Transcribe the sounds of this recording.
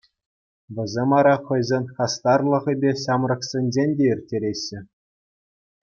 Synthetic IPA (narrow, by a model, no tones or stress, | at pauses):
ʋʲɘ̆zʲemɑɾɑχɤ̆jzʲenʲχɑst̪ɑrlˠɤ̆ʁĭbʲeɕɑmrɤ̆ksʲenʲzenʲdʲeirʲtʲːeɾʲeɕːɘ̆